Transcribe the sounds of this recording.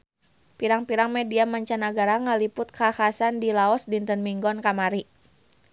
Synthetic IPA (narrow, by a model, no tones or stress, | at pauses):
piɾaŋpiɾaŋmɛdiamaɲt͡ʃanaɡaɾaŋalipʊt̪̚kahasandilaɔsdint̪ənmiŋɡɔnkamaɾi